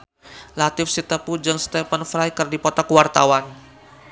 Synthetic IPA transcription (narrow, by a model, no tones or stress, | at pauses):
lat̪ɪfsit̪əpud͡ʒɨŋst̪ɛfənfɾajkɨrdipɔt̪akuwart̪awan